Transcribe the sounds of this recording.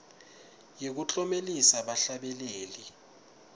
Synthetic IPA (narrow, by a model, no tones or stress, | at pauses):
jek̬ut͡ɬʼɔmelisaɓaɬaɓɛleːli